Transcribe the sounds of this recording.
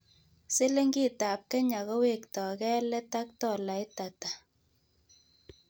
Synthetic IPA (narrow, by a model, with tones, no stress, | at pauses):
se˦le˦ŋɡi˦ta˨p̚kɛ˦ɲa˨ɣɔ˦we˨ktɔ˨kɛ˦lɛ˦ta˦k̚tɔ˨la˨i˦ta˨ta˨